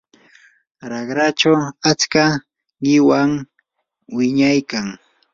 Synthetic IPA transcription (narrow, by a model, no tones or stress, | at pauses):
ɾɑɢɾat͡ʃawat͡ska | ɢɪwaŋ | wɪɲajkaŋ